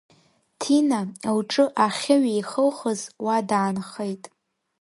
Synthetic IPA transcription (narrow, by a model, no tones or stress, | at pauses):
tʰinaawʈ͡ʂʼɨʔaχʲɪɥjχəlχəzwadaːnχejtʼ